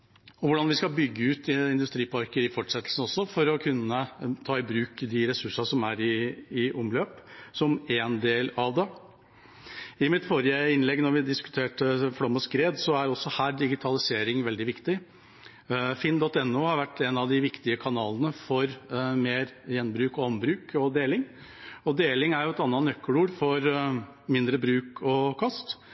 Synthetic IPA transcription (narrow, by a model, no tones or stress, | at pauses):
ɔʋʊɖɑnʋɪskɑbʏɡːəʉːt̪ɪnd̪ʉst̪ɾiːpɑɾkəɾɪfɔʈʂɛt̪ːlsən̩ɔsːɔfɔɾɔkʰʉnːət̪ʰɑːɪbɾʉːkd̪ɪɾɛsʉʂɑʂɔmæɾɪːʊmløːpsɔmɛnd̪eːlɑʋd̪ɛ | ɪmɪt̪fɔɾɪəɪnlɛɡnɔɾʋɪd̪ɪskʉt̪ʰeːʈəfɽɔmːəskɾeːd̪sɔæɾɔsːɔhæːɖɪɡɪt̪ʰɑlɪseːɾɪŋʋɛld̪ɪʋɪkt̪ɪ | fɪnd̪ɔt̪ːɛnːuːhɑɾʋæʈːɛnɑʋd̪ɪʋɪkt̪ɪəkʰɑnɑːlənəfɔɾmeːɾjɛnːbɾʉːkɔɔmbɾʉːkʰɔd̪eːlɪŋ | ɔd̪eːlɪŋæɾjʊɛt̪ɑnːɑnœkʰːəluːɖfɔɾ | mɪnd̪ɾəbɾʉːkɔkʰɑst̪